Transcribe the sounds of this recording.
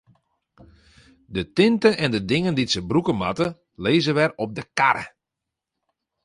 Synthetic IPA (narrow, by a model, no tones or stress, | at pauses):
dətɪntəʔɛndədɪŋənditsəbrukəma̰tə | leːzəʋɛrɔp̚dəkaɾə̰